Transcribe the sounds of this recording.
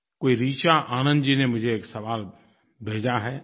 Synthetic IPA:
koːiɾiːt͡ʃaʔaːnə̃nd̪d͡ʒinemʊd͡ʒʱeeːksɐʋaːl | bʱeːd͡ʒaɦɛː

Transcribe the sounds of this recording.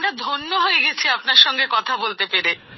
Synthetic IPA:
mɾad̪ʱonːoɦojeɡet͡ɕʰiap̚naɾʃɔŋɡekɔt̪ʰabolt̪epeɾe

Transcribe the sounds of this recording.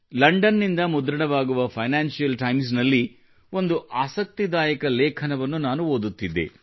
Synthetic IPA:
lɐɳɖɐnːind̪ɐmud̪ɾɐɽɐʋaːɡuʋɐpʰɐjnaːnʃijɐlʈɐjms̬nɐlːi | o̞nd̪uʔaːsɐk̚t̪id̪aːjɐkɐlɛːkʰɐnɐʋɐnːunaːnuoːd̪ut̪ːid̪ḛ

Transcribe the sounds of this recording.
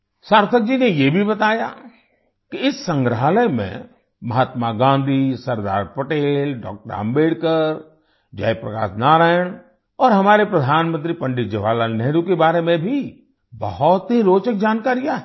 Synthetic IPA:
saːɾt̪ʰək̚d͡ʒinejebʱibɐt̪aːja̰ | kiɪsːə̃ŋɡɾəɦaləjmḛ̃ | mɐɦaːt̪maɡãːnd̪ʱisɐɾd̪a̰ːɾpɐʈeːlɖɔ̰ːk̚ʈəɾa̰ːmbeːɽkəɾ | d͡ʒa̰ːjpɾɐka̰ːʃnaːɾaːjəɽ̃ | ɔːɾɦɐmaːɾepɾɐd̪ʱaːnmə̃nt̪ɾipɐ̃ɳɖɪt̪̚d͡ʒeʋaːlanɛɦɾukebaːɾemẽbʱi | bɐhɔt̪ɦiɾoːt͡ʃək̚d͡ʒaːnkaːɾijaɦɛ

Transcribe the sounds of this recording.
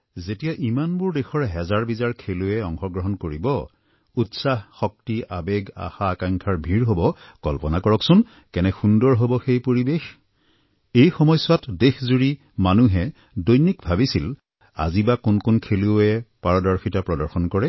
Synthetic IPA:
zetijaʔimanbʊɹdexɔɹɦɛzaɹbizaɹkʰeluɛɔŋxɔɡɹɔɦɔnkoɹibɔ | utsaɦxɔk̚tiʔa̰beɡa̰xaːkaŋkʰaɹbʱiɹɦobɔkɔ̰lpɔnakɔɹɔksʊn | kɛnɛxundɔɹɦobɔxejpoɹibex | ejxɔmɔjsʊwatdexzuɹi | manuɦɛ | dojnikbʱabisil | a̰zibakʊnkʊnkʰeliɛpaɹɔdɔɹxʰitapɹɔdɔɹxɔnkɔɹɛ

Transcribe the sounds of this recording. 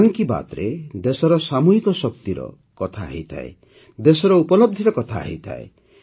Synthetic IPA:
ŋkiba̰t̪ɾed̪esɔɾɔsamuɦikɔsɔk̚t̪iɾɔ̰ | kɔt̪ʰa̰ːɦḭt̪ʰa̰ḛ | d̪esɔɾɔupɔlɔb̚d̪ʱiɾɔkɔt̪ʰaa̰ɦḭt̪ʰa̰e

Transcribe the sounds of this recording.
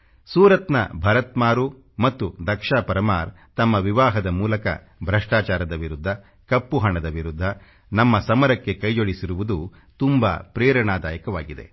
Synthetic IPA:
suːɾɐt̪nɐ̰bʱɐɾɐt̪maːɾu | mɐt̪ːud̪ɐkʂaːpɐɾɐmaːɾ | t̪ɐmːɐʋiʋaːɦɐd̪ɐmuːlɐkɐ̰ | bʱɾɐʂʈaːt͡ʃaːɾɐd̪ɐʋiɾud̪ʱːɐ | kɐpːuɦɐɳɐd̪ɐʋiɾud̪ʱːɐ | nɐmːɐsɐmɐɾɐkːe̞kɐjd͡ʒoɭisiɾuʋud̪u | t̪umba̰ːpɾɛːɾɐɳaːd̪aːjɐkɐʋaːɡid̪e̞̰

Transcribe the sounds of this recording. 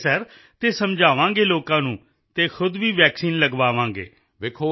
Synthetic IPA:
sɛɾ | t̪eːsəmd͡ʒʱaːʋãːɡeːloːkãːnũː | t̪eːkʰʊd̪ʋiːʋɛːksiːnləɡʋaːʋãːɡḛː | ʋɪkʰoː

